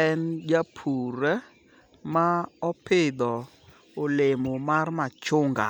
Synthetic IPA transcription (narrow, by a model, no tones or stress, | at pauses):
ɛnd͡ʒapʰuɾɛ | maɔpɪd̪ɔ | olemomarmat͡ʃʊŋɡa̰